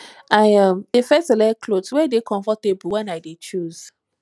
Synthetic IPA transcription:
aɪãmdefɛstlɛkʰloswɛdekʰɔ̃ɱfɔtebl̩wɛ̃naɪdet͡ʃuz̥

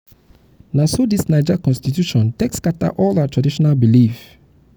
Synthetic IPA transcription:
nasodisnaɪd͡ʒakɔ̃nstitjuʃɔ̃ntɛkskata̰ʔɔlaatʰɹadiʃɔnalbilif

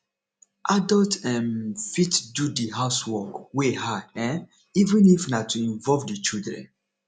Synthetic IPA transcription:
ʔadɔltɛ̃nfitdudiɦaʊswɔkwehadɛ̃n | ivɛ̃nifnatuĩɱvɔvdit͡ʃidɹɛ̰̃n

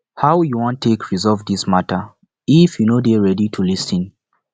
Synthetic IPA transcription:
hawjuwɔ̃ntʰːekʰɹizɔlvdismatə | ifjunodeɹɛditʰulisə̃n

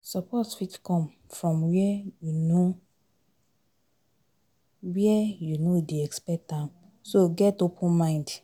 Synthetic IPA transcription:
sɔpʰɔtwitkʰɔ̃m | fɹɔ̃mwɛjuno | wiɛjunodeɛkspɛtãm | soɡɛtopʰə̃nmãɪ̃nd

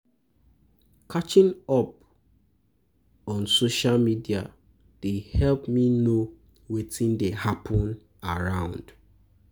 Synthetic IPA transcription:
kʰat͡ʃĩŋɔp̚ | ɔ̃nsoʃalmidia̰ | d̥ehɛlpmino | wetʰĩndehapʰɔ̃n | aɹãʊ̃nd̥

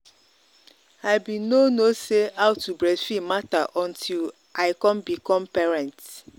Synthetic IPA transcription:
aɪbinonoseawtubɹɛfimataʔɔ̃ntʰil | ʔaɪkɔ̃mbikɔmpɛɹãnt

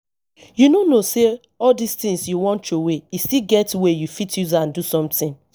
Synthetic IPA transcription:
junonose | ɔldist̪ĩŋsjuwɔ̃ntoweistiɡɛtwejufitʰjuzaãndusɔ̃mtĩn

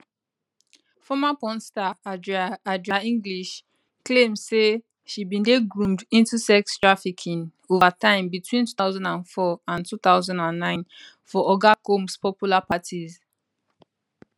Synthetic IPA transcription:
fɔmapɔ̃nstaadɹadɹaĩŋɡliʃ | klẽmdse | ʃibĩndeɡɹũmdĩntusɛkstɹ̥afikʰĩn | ovatãɪ̃mbitʰwĩntu̥θaʊzãndãnfɔãntuθaʊzãndãnːãɪ̃n | fɔʔɔɡakõmspɔpjulapatʰiz

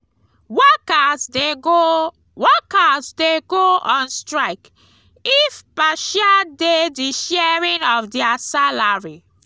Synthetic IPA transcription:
wɛkasdeɡo | wɛkasdeɡoɔ̃nstɹaɪk | ifpaʃadediʃɛɹĩnɔfdɛasalaɹi

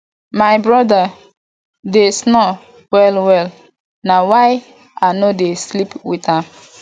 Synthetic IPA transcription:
majbɹɔda | desnɔ | wɛlwɛl | nawaj | anodeslipwitãm

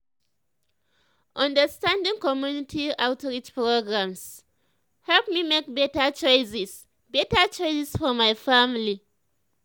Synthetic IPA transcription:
ʔãndəstãndɪ̃ŋkɔmjunɪtʰiawtɹit͡ʃpɹoɡɹams | hɛlpmimekbɛtat͡ʃɔjsɪs | bɛtat͡ʃɔjsɪsfɔmajfamli

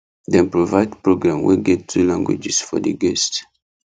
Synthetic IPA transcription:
dɛ̃npɹovaɪdpɹoɡɹãmwḭɡɛttʰːɹulãŋɡwḭd͡ʒɛsfɔ̰dəɡɛst

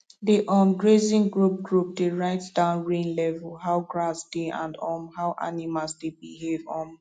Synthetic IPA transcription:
deʔɔmɡɹezĩŋɡɹup̚ɡɹup̚deɹaɪtd̥ãʊ̃nɹẽnlɛvəlɦaʊɡɹasd̥eã̰ndɔmhaʊʔa̰nimalsd̥ebihevɔ̃m

